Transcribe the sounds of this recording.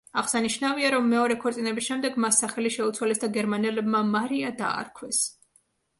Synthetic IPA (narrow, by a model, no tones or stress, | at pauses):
aʁsaniʃnaviaɾɔmːɛɔɾɛkʰɔɾt̪ʼinɛbisʃɛmd̪ɛɡmasːaχɛliʃɛut̪sʰwalɛsd̪aɡɛɾmanɛlɛbmamaɾiad̪a̰ːɾkʰwɛs